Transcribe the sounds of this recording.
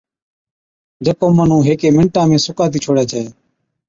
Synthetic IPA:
d͡ʒəkoːmən̤ũːɦeːkeːmɪ̃ɳʈãːmẽːsʊkaːt̪iːt͡ʃʰoːɽjaːt͡ʃaːeː

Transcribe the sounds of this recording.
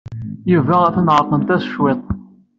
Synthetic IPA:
juvææθnʁəqːəmt̪æsə̥ʃwɪt̪ˤ

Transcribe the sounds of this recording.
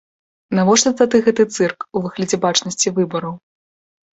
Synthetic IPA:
navɔʂt̪ɔt̪ad̪ɨɣɛt̪ɨt̪sɨrkuvɨɣlʲɐd͡zʲɛbat͡ʂnɐsʲt͡sʲivɨbɐɾɐw

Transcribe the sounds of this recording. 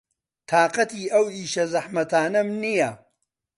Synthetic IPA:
t̪ʰaːqɐt̪iːɐwiːʃɐzɐħmɐt̪aːnɐmnijɐ

